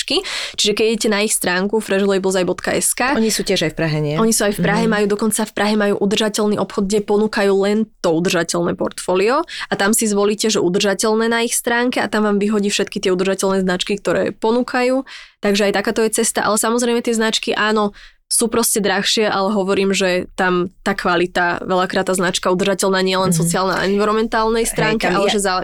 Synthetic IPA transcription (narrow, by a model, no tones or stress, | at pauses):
kit͡ʃiʒɛkɛɟɛɟɛcɛnaixst̪ɾaːŋkufɾɛʒlˠɔʋiblɔzajbɔt̪kaʔɛskaːɔɲisuːtcɪɛʒajfpɾaɦɛɲɪɛɔɲisuːajfpɾaɦɛmajuːd̪ɔkɔnt͡safpɾʔaɦɛmajṵːʔud̪rʒacɛlniʔɔpxɔd̪̚ɡɟɛpɔnuːkajuːlɛnt̪ɔud̪r̩ʒacɛlnɛpɔ̰ɾt̪fɔːliɔat̪amsizʋɔliːcɛʒɛʔud̪r̩ʒacɛlnɛːnaixst̪ɾaːŋkɛa̰t̪amʋaːmʋiɦɔɟiːfʃɛt̪kit̪ɪɛud̪rʒacɛlnɛːznat͡ʃkik̚t̪ɔɾɛ̰ːpɔnuːkʰajuːt̪aɡʒɛajt̪akaːt̪ɔjɛt͡sɛst̪aʔa̰lɛsamɔzɾɛjmɛt̪ɪɛznat͡ʃkiʔaːnɔ | suːpɾɔscɛd̪ɾaxʃɪɛʔa̰lɛɦɔʋɔɾiːmʒɛt̪amt̪aːkʋalit̪aʋɛʎakɾat̪ːaːznat͡ʃkaud̪rʒacɛlnaːɲɪɛjɛlɛns̬ɔt͡siaːlnaa̰ɛnʋiɾɔmɛnt̪aːlnɛjst̪ɾaːŋkɛʔalɛʒɛza